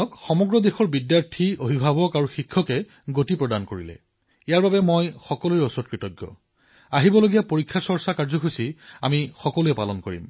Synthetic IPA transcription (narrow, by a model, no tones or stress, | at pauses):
ɔkxɔmɔɡɹɔd̪exɔɹbidjaɹtʰioɦibʱabɔkaɹuxikʰːɔkɛ | ɡotipɹɔdankoɹḭlɛ̰ | ijaɹbabɛmojxɔkɔlujɔsɔɔt̚kɹitɔɡːjɔ̰ | aɦibɔloɡijapoɹikʰːasɔɹsakaɹzɔxusia̰mixɔkɔluɛpa̰lɔnkoɹḭm